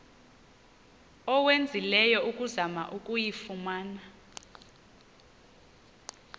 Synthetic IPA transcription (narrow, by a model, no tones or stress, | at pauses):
ɔwend͡zʱilɛjɔukʼuzama̰ʔukʼujifumaːna